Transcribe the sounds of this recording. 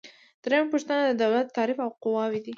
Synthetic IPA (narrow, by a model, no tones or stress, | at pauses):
d̪̥ɾajampəʃt̪ənad̪əd̪awlat̪ːɑɾɪfawqʊwɑwid̪i